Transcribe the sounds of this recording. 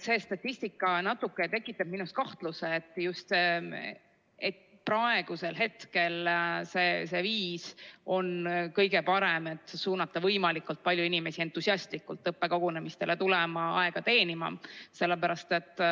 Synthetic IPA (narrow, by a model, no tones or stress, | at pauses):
se̞ːst̪ɑt̪ʲːist̪ikːˑɑnɑt̪ːukːˑe̞t̪e̞kːˑit̪ːˑɑb̥̚minust̪̚kɑht̪luseːt̪ːˑjust̪ | et̪pɾɑe̞ɡ̥use̞lɦe̞t̪ke̞lsese̞viːso̞nkɤjɡ̥e̞pɑɾe̞me̞t̪ːˑsuːnːɑt̪ˑːɑvɤjmɑlikːˑult̪̚pɑlʲjuinime̞sie̞nt̪ˑːusiɑst̪likːˑult̪ːˑɤpːe̞koɡ̥une̞mist̪e̞le̞t̪ulɛmɑɑ̰e̞ɡ̥ɑt̪e̞ːnimɑ̰se̞lːepæɾɑst̪e̞t̪ːˑ